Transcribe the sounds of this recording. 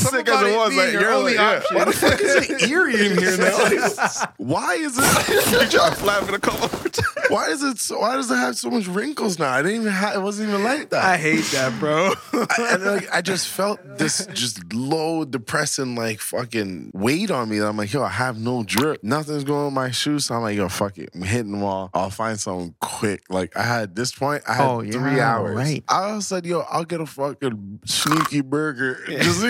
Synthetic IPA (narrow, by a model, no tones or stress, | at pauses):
sʌ̃ɪkɨzɨt̚wʌzaɪə˞iæwʌðəfʌkɨzɨɾɪɹiɨ̃niɹno | waɪɨzɪt̚ɨt͡ʃʰaɪflæfɨ̃nɨkʰʌlˠtwaɪɨzɪtswaɪɾʌzɨt̚həv̥soʊmʌt͡ʃɹɪ̃ŋkl̩ˠznaʊaɪɾɪdⁿntivɨ̃nɨt̚wʌzn̩tivə̃nlaɪk̚ðæ̰taɪɦeɪt̪̚ðæt̚b̥ɹoʊakaɪd͡ʒʌstfɛlˠt̪̚ðɪsdd̥ʒ̥ʌstloʊdɨpʰɹ̥ɛsɪ̃ŋlaɪkfʌkɪ̃ŋweɪɾn̩miɨ̃ãɪ̃mlaɪkoʊaɪəvnoʊdɹɪp̚nʌθɪ̃ŋzɡoʊɪ̃ŋə̃nmaɪʃʉsoãɪ̃mlaɪɡ̥ɑɾəfʌkɪ̰̃ɦɪɾ̃ŋmɔʔa̰ɪlˠfãɪ̃nd̥sʌ̃mθɪ̰̃ŋkʰw̥ɪk̚laɪka̰ɪɨd̪̚ðɪspʰɔ̃ɪ̃nta̰ɪɨoɹiaʊə̰˞ɹazɪtʔaɪsɛd̚joʊʔa̰ɪlˠɡɛɾəfʌkɨ̃snikibɜ˞ɡə˞ʌs